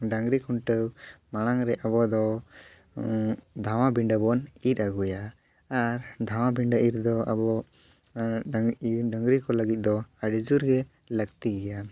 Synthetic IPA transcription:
ɖaŋɾikʰɔɳʈəwmaɽ̃aŋɾɛabɔd̪ɔ | d̪ʱawabiɳɖəbɔnit̪̚aɡujaː | ɾd̪ʱaw̃abʱiɳɖəʔiɾd̪ɔa̰bɔ | ɖəŋɡɾikɔləɡit̪̚ˀd̪ɔaɖid͡ʒuɾɡɛ | ləɡt̪iɡɛja

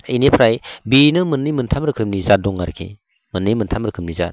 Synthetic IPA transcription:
inipʰɾajbinɯmɯnːimɯntʰamɾɯkʰɯmnizat̚dɔŋaɾkʰḭ | mɯnːijmɯntʰamɾɯkʰɯmniza̰t̚

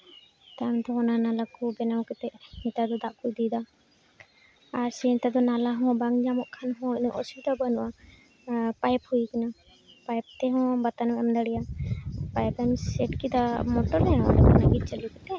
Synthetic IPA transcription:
t̪amt̪ɔɦɔnanalakubɛnawkɛt̪ɛʔmit̪ad̪ɔd̪aʔkujd̪id̪a | ɾsɛnt̪ad̪ɔnalaɦɔ̃baŋd͡ʒamɔʔkʰanɦɔ̃inɔʔɔsuid̪abanuʔa | pajphujkana | pajp̚t̪ɛɦɔ̃bat̪anɛmd̪aɽijapajpɛmsɛʈkid̪amɔʈɔɾɛɔ̰dɛkanaɡit̪̚t͡ʃəlikɛt̪ɛ

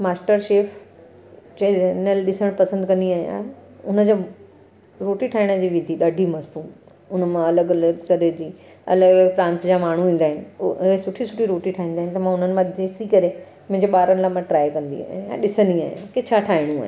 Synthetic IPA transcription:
maːsʈəɾʃeːfʰ | t͡ɕɐenəlɗɪsəɽ̃pɐsə̃nd̪kɐ̃nd̪iaːɦija̰ːɦeʊnə̆d͡ʑo | ɾoːʈiʈʰaːɪɽ̃ə̆d͡ʑiːʋɪd̪ʱiɗaːɖʱimɐst̪ũ | ʊnə̆mãɐləɡɐləɡkɐɾed͡ʑiː | ɐ̰ləɡɐləɡpɾãːnt̪d͡ʑaːmaːɳ̤ũʋĩːn̆d̪aːɦɪnɪ̆ɦesʊʈʰisʊʈʰiɾoːʈiʈʰaːɦĩːnd̪aːɦɪ̃nɪt̪ɐmãːʊn̤ənɪ̆mãd͡ʑeːsikɐɾe | mʊ̃ɪ̃ɲd͡ʑeɓaːɾəñlamãʈɾaːɪkɐ̃nd̪ḭa̰ːɦa̰ɗɪsənia̰ːɦijã̰kɪt͡ɕʰaʈʰaːɦɪɽ̃ũa̰ɦ

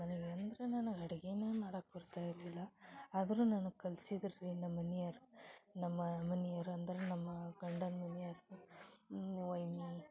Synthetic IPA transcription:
mɐneɡɐnd̪ɾenɐnɐɐɽɐɡeneːmaːɽɐkbɐɾt̪aːjiɾlilːɐːd̪ɐɾunɐnukɐlsid̪ɐɾiɾinɐmːɐnijɐɾunɐmːɐmɐnijɐɾuɐnd̪ɐɾenɐmːɐɡɐɳɖɐnmɐnijɐɾu | ʋɐjni

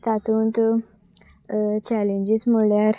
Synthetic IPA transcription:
t̪at̪unt̪ | t͡ʃalĩnd͡ʒismulaɾ

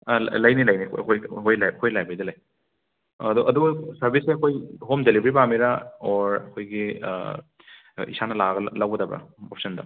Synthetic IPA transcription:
ɐlɐjnilɐjnikɐ̰kʰojkʰojlakʰojlajbɐjdɐlɐj | duʔɐduɡɐsɐɾbiseɐkʰojɦomdelibɾibamiɾaɔɾɐkʰojɡḭ | ḭsanɐlaɡɐlawɡɐdɐbɾɐ̰op̚sɐndɐ̰

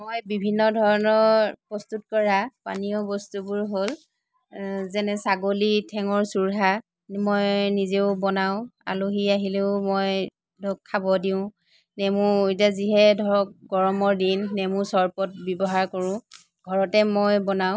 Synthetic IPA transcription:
mojbibʱinːɔdʱɔɹɔnɔɹpɹɔstut̚kɔɹapa̰niɔbɔstubʊɹɦol | zɛnɛsaɡolitʰɛŋɔɹsuɹɦa | mojnizeʊbɔnaʊ̃a̰loɦiaɦileʊmoj | dɔkʰːabɔdiʊ̃ | nemuet̬aziɦɛdʱɔɹɔk̚ɡɔɹɔmɔɹdinːemusɔɹpɔt̚bjɔbɔɦaɹkoɹʊ̃ | ɡ̥ʱɔɹɔtɛmojbɔnaʊ̃

